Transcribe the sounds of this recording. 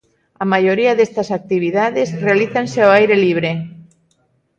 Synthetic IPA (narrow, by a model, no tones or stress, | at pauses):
amajoɾiaðest̪asak̚t̪iβ̞iðaðesrealiθanseoajɾeliβ̞ɾe